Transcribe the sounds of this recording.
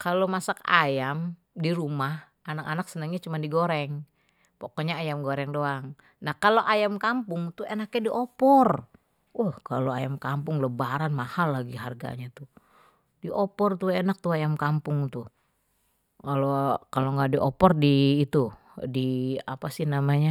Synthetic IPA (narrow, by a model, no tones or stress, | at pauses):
kalomasaka̰jam | diɾumah | ʔanakanaksənəŋɲat͡ʃumandiɡoɾɛŋ | pokɔɲaːjamɡoɾɛŋdoaŋ | nahkaloʔajamkampʊŋt̪uenakɲadiʔɔpɔr | ahkaloajamkampʊŋləbaɾanmahalːaɡiɦarɡa̰ɲat̪u | diʔɔpɔrt̪uenak̚t̪uajamkampʊŋt̪u | kalokaloŋɡaʔdiʔɔpɔrdiːt̪u | dia̰pasɪhnamaɲa